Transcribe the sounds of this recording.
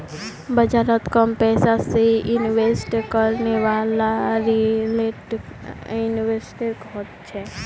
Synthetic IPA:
bəd͡ʒaɾət̪kəmpɛːsasejuniʋesʈkəɾneʋalaɾileʈ | uniʋeɾsʈeɾkəɦɔt̪t͡ʃʰɛ

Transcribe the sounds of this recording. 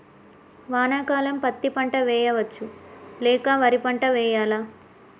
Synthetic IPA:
ʋaːnaːkaːlɐmpɐt̪ːipɐɳʈɐʋɛːjɐʋɐt͡ʃːulɛːkaːʋɐɾipɐɳʈɐʋɛːjaːlaː

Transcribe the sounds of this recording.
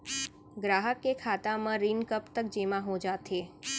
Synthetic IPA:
ɡɾaɦəkːekʰat̪amãɾinkəpt̪ək̚d͡ʒemãɦõd͡ʒat̪ʰe

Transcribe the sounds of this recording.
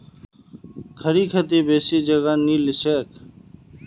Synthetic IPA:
kʰəɾiːkʰət̪iːbeːsiːd͡ʒəɣãːniːlɪseːk

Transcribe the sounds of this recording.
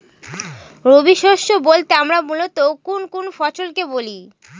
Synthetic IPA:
ɾobiʃoʃːobolt̪eamɾamulot̪okonkonfɔt͡ɕolkeboli

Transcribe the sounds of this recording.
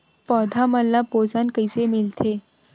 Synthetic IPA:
pɔːd̪ʱamɐlːapoːzankəɪsemɪlt̪ʰeː

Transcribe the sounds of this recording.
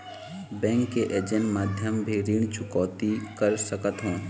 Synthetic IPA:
bɛ̃ːŋkːeʔeːd͡ʒə̃ɳʈmaːd̪ʱjəmbʱiɾiɳ̃t͡ʃʰʊkɔːt̪ikəɾsəkət̪ɦõː

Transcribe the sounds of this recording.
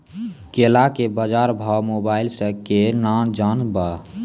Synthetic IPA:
kelakebəd͡ʒaɾbʱawmobailsəkenad͡ʒanbə

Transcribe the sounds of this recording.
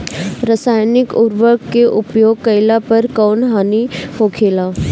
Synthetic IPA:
ɾəsaːjnɪkʊɾʋəkeʔʊpjoːɡ̚kɐɪlapɐɾkɔːnɦaːnihoːkʰeːlaː

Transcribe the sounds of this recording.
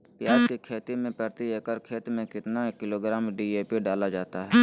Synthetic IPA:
pjaːd͡ʒkikʰeːt̪imẽpɾəɾt̪ieːkəɾkʰeːt̪mẽkɪt̪naekːɪloːɡɾaːmɖiːeːpiɖaːlad͡ʒaːt̪aɦɛː

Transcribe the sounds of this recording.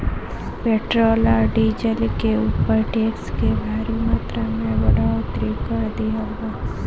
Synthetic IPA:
peːʈɾoːlaɖiːd͡ʒəlkeuːpəɾʈeːkskebʱaːɾumaːt̪ɾamẽbəɽat̪ɾikəɾd̪ijaɡaː

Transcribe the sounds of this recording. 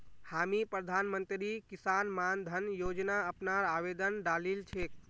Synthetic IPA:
hamipɾəd̪ʱanmənt̪ɾikisanmand̪ʱənjod͡ʒnaəpnaɾabed̪ənɖalilt͡ʃʰek̚

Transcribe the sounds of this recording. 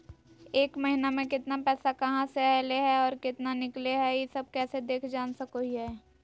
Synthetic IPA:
eːkmɐɦɪnamẽkɪt̪napɛːsakɐɦãseɛːleɦɛɔːɾkɪt̪nanɪkleɦɛjesɐb̚kɛːsed̪eːkʰd͡ʒaːnsɐkoɦiɦɛː

